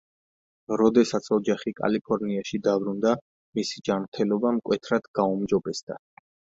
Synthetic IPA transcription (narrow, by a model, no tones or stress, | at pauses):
ɾɔd̪ɛsat̪sʰɔd͡ʒaχikʼa̰lipʰɔɾniaʃid̪abɾund̪a | misid͡ʒamɾt̪ʰɛlɔbamkʼwɛt̪ʰɾad̪̥ɡ̥aumd͡ʒɔbɛsd̪a